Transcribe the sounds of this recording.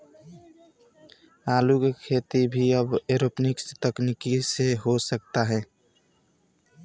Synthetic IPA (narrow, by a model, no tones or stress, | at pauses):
aːlukekʰeːt̪ibʱiəbeɾopnɪkst̪əknikiseɦosək̚t̪aɦɛ̃ː